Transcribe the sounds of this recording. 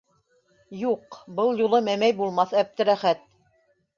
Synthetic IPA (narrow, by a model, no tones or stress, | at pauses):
juqbɤlˠjulˠɤmæmæjbulˠmɑθæp̚t̪ɘ̆ɾæχæt̪̚